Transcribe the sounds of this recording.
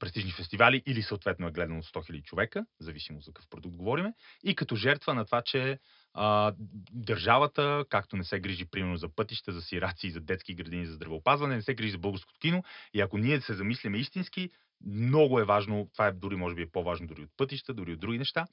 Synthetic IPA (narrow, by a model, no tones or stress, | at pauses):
pɾɛst̪iʒnifɛst̪ivaliʔilisəot̪vɛt̪nʊɛɡlɛd̪ɐnot̪st̪ɔxilʲəd̪it͡ʃovɛkəzɐvisimot̪kəkəfpɾod̪uk̚t̪̚ɡovɔɾimɛikɐt̪ɔʒɛɾt̪vənɐt̪ovat͡ʃɛ | ə | d̪ɐɾʒavət̪əkakt̪onɛsɛɡɾiʒipɾimɛɾnozɐpɤt̪iʃt̪əzɐsiɾat̪siːzɐd̪ɛt̪skiɡɾɐd̪inizɐzd̪ɾɐvɛopazvɐnɛnɛsɛɡɾiʒizɐbɤlˠɡəɾsko̥t̪o̥kinoiɐkoniɛsɛzɐmislʲimɛist̪inski | mnɔɡʊɛvaʒnot̪ovaɛd̪uɾimɔʒɛbiɛpovaʒnod̪ʊɾiot̪pɤt̪iʃt̪əd̪ʊɾiod̪ɾuɡʲinɛʃt̪a